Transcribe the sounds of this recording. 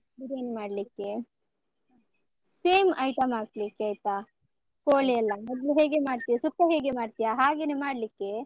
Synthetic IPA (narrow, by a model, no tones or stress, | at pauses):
diɾeːnemaːɽlikːe | seːmɐjʈɐmaːklikːeɐjt̪a | koːɭejɐlːɐmɔd̪luɦeːɡemaːɽt̪ijasukːɐɦeːɡemaːɖt̪ijaɦaːɡeːnemaːɽlikːe